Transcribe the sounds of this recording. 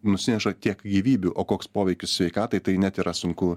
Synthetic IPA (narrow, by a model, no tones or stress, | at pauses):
nʊsʲɪnʲɛʃɐt̪ʲiɛkɡʲiːʋʲiːbʲuʔoːkoːkspoːʋʲɛɪkʲʊssʲʋʲɛɪkɑːt̪ɐɪt̪ɐɪnʲæt̪iːɾʔɐsʊŋkʊ